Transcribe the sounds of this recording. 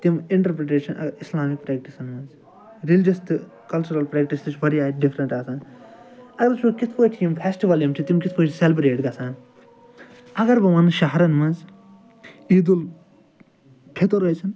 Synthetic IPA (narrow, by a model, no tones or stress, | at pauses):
t̪imɪɳʈɐɾpɾeʈeːʃɐnʔɐ̰ɾɪslaːmik̚pɾɛːk̚ʈisɐnmɐnz | ɾilɪd͡ʒɐst̪ɨ | kɐlt͡ʃuɾɐlpɾɛːkʈist̪it͡ʃʋɐɾiaːɖifɾɐ̃ɳʈaːsaːn | ɐɡɐɾt͡ʃʰukit̪ʰkoːʈʰːimpʰesʈiʋɐljɐmt͡ʃʰit̪imkit̪ʰpoːʈʰselbɾeːʈɡɐsaːn | ɐɡɐɾbɐmɐnɨʃɐɦɾɐnmɐ̃nz | iːd̪ul | kʰet̪oɾɐjt͡ʃʰɐn